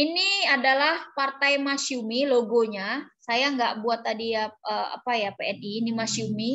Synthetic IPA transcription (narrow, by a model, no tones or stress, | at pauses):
iniadalahpart̪ajmasiumiloɡoɲasajaŋɡaʔbuat̪ːadiaəa̰pajapeɛninimasiumi